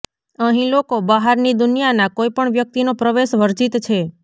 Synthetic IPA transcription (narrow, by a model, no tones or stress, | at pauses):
əɦĩlokobəɦaɾnid̪ʊnijanakojpəɳʋjək̚t̪inopɾəʋeʃʋəɾd͡ʒit̪t͡ʃʰe